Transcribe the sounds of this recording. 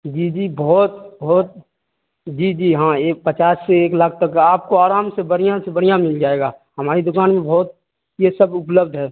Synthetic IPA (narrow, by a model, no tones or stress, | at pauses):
d͡ʒiːd͡ʒiːbɔːt̪̚bɔːt̪̚ | d͡ʒiːd͡ʒiːɦãepət͡ʃaːsːeeːkləkʰt̪ɐkaːp̚koaːɾaːmsebəɽijãsebəɽijãmɪld͡ʒaːeːɡaːhɐmaːɾid̪ʊkaːnmẽbɔːt̪̚ | jesəbʊpləbd̪ʱɦɛː